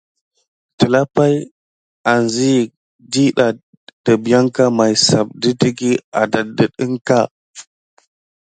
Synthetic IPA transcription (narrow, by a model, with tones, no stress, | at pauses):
tə˨la˦pa˦j | a˨nzi˦˨ | di˦ɗa˨ | d̥ə˨bja˦ŋka˦ma˨jsa˨b̚di˦ti˦ɡi˦a̰˨da˨də˨ɗi˦ŋka˦˨